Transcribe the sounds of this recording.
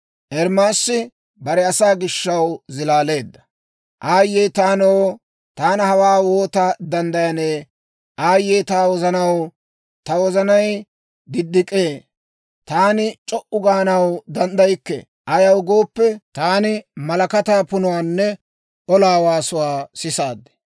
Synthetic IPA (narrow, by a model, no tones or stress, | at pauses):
ʔɛɾmaːsːɪ | bɐɾɛɐsaːɡɪʃːɐwzɪlaːle̞ːd̪ːɐ̥ | ʔaːjːeːt̪aːnɐwo | t̪aːnɐhɐwaːwo̞ːt̪ɐd̪ɐnd̪ɐjɐneː | ʔaːjːeːt̪aːwɔzɐnɐw | t̪ɐwɔzɐnɐj | d̪ɪd̪ːɪkʼeː | t̪aːnɪt͡ʃʼɔʔʊɡaːnɐwd̪ɐnd̪ɐjkːɛ̰ | ʔɐjɐwɡo̞ːpːɛt̪aːnɪmɐlɐkɐt̪aːpʊnʊwaːnːɛ | ʔɔlaːwaːsʊwaːsɪsaːd̪ːɛ̥